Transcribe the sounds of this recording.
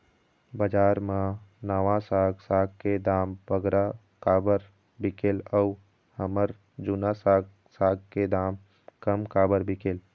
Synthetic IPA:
bəd͡ʒaːɾmãnəʋãsaːɡsaːɡ̚ked̪aːmbəɡɾa | kaːbəɾ | bɪkeːləu | həməɾ | d͡ʒunasaːɡ | saːɡ̚ked̪aːm | kəmkaːbəɾbɪkeːl

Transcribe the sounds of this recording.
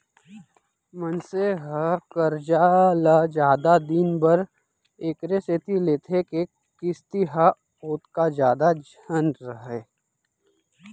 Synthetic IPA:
mənseɦəkəɾd͡ʒaːlad͡ʒaːd̪ad̪iːnbəɾ | eːkɾeset̪ileːt̪ʰeke | kɪst̪iɦa | oːt̪kad͡ʒjaːd̪ad͡ʒʱənɾəɦeː

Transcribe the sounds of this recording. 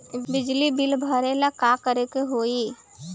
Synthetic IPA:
bɪd͡ʒlibilbʱəɾelakakəɾekeɦoi

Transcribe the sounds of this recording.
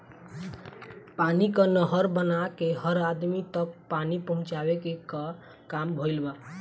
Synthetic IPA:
panikənəɦəɾbənakeɦəɾad̪mit̪ək̚panipəɦʊ̃t͡ʃabekekə | kambʱoɪlba

